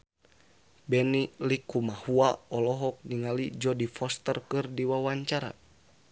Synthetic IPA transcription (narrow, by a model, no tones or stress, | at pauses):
bɛnilikumahuaɔlɔɦɔk̚niŋalid͡ʒɔdifɔst̪ərkɨrdiwawaɲt͡ʃaɾa̰